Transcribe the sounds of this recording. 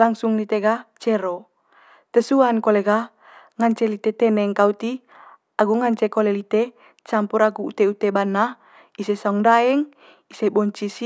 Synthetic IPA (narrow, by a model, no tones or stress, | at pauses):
laŋsuŋlit̪eɡat͡ʃɛɾɔ | t̪ɛsuankoleɡa | ŋaɲt͡ʃɛlit̪et̪ɛnɛŋkaut̪i | aɡuŋaɲt͡ʃekolelit̪e | t͡ʃampuɾaɡuut̪eut̪ebana | isesauŋdaɛŋ | isebɔɲt͡ʃis